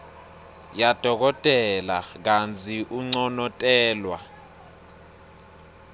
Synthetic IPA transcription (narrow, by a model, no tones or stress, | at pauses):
jad̥ʱɔk̬ɔtʼɛlak̬ant͡sʰʼiʔuŋ͡ǀɔnɔtʼɛːlwa̰